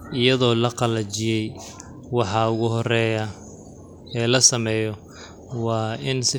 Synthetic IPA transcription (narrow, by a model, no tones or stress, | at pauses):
ʔɪjɐðɔːlɐqɑlɐt͡ʃɪjɛj | wɑħɑːʊɣʊɦɔrɛːjɐ | ɛːlɐsɐmɛːjɔ | wɑːɪnsɪ